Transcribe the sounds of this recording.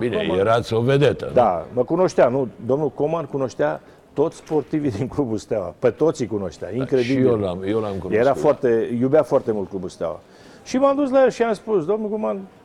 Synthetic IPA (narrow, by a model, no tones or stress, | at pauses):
binḛjeɾat̪sʲoved̪et̪ə̰d̪aməkuno̞ʃt̪eanud̪o̞mnukomankuno̞ʃt̪ea | t̪o̞t̪sʲspo̞rt̪ivid̪iŋklubust̪awa̰pət̪o̞t̪sikuno̞ʃt̪ea̰iŋkɾed̪iijelamjelamkunjeɾɾafoart̪e̞jubeafoart̪emult̪̚klubust̪a̰wa̰ | ʃimad̪uslajelʃiamspusd̪o̞mnukoman